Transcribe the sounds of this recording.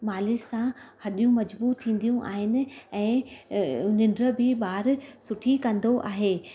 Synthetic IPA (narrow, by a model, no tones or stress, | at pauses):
maːlɪssãhɐɗijũmɐd͡ʑbuːt̪ʰĩːn̆d̪ijũʔa̰ːɦɪnɪ̆ɛ̃ː | nɪ̃ɳɖɾə̆bʱɪɓaːɾsʊʈʰikɐ̃nd̪oʔaːɦeː